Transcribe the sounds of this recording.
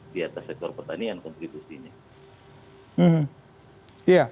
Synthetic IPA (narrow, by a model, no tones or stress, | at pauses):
diat̪asːɛk̚t̪ɔrpərt̪aniankɔnt̪ɾibusiɲa | m̩hm̩ | ja